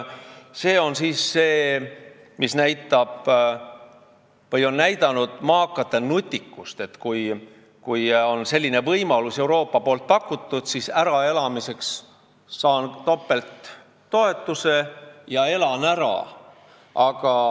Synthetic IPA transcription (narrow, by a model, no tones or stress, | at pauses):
se̞ːo̞nsiːsːe̞ː | misnæjt̪ːˑɑb̥ | vɤjo̞nːæjd̪̥ɑnud̪̥mɑːkːˑɑt̪ːenut̪ʲːikˑːust̪e̞t̪ːkuj | kujo̞nse̞lʲːine̞vɤjmɑluse̞wɾo̞ːpːˑɑpo̞ːlt̪̚pɑkːˑut̪ːud̪̥sisæɾɑe̞lɑmise̞ksː | ɑːnt̪o̞pːe̞lt̪ː | o̞e̞t̪ːuse̞jɑe̞lɑnæɾɑ̰ | ɑɡ̥ɑ